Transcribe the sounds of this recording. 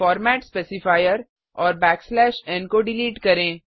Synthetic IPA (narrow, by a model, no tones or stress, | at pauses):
fɔːɾmɛːʈspeːsɪfaːɪjəɾ | ɔːɾbɛːkslɛːʃɛ̃ːnkoɖɪliːʈkɐɾẽː